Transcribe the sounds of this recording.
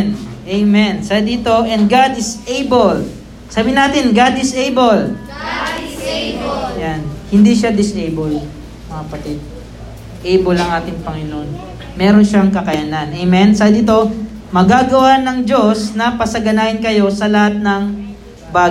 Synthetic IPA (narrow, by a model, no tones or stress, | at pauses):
nʔejmɛnsad̪iːt̪o̞ʔɛnd̪̚ɡad̪ɪsejbol | saːbɪnaːt̪ɪnɡad̪ɪsʔejbol | janhɪnd̪iʃad̪ɪsʔejbol | mɐŋɐpɐt̪ɪd̪̚ | ʔejbolɐŋʔaːt̪ɪŋpɐŋɪnoon | mɛːɾonʃaŋkɐkɐjɐnanʔɛjmɛnsad̪ɪt̪o̞ | mɐɡaːɡɐwanɐŋd͡ʒo̞snɐpɐsɐɡɐnaːhɪnkɐjo̞sɐlɐhat̪̚nɐŋ | baː